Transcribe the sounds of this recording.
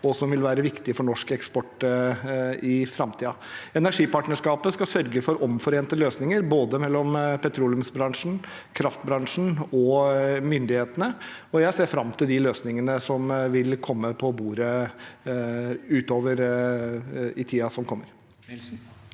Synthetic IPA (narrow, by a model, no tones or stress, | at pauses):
ɔsɔmʋɪlʋæːɾəʋɪkt̪ɪəfɔɳɔʂkɛkspɔʈː | ɪfɾɑmt̪iːɑ | ɛnæʂiːpɑʈɳnəʂkɑːpəskɑsœɾɡəfɔɾʔɔmfɔɾeːnt̪əløːsnɪŋəɾboːd̪əmɛlːɔmpɛt̪ʰɾuːlɪʉmsbɾɑŋʂn̩ | kʰɾɑft̪bɾɑŋʂn̩ɔmʏnd̪ɪheːt̪ənəɔjæɪseːɾfɾɑmt̪ʰɪld̪ɪløːsnɪŋənəsɔmʋɪlkʰɔmːəpʰɔbuːɾə | ʉːt̪oːʋəɾ | ɪt̪ʰiːɑsɔmkʰɔmːəɾ